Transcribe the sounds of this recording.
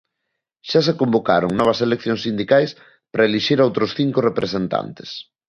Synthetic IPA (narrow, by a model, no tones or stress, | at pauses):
ʃasekombokaɾoŋnɔβ̞ɐselek̚θjoŋsind̪ikajs | pɾaeliʃiɾowt̪ɾosθiŋkorepɾesent̪a̰nt̪e̥s